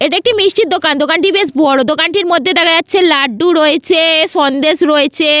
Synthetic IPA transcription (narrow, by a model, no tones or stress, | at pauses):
eʈaek̚ʈimiʃt͡ɕit̪̚d̪okand̪okanʈibesbɔɽod̪okanʈiɾmod̪ʱːed̪ɛkʰad͡ʑatːɕʰelaɖːuɾoet͡ɕʰeʃɔnd̪eʃɾoet͡ɕʰe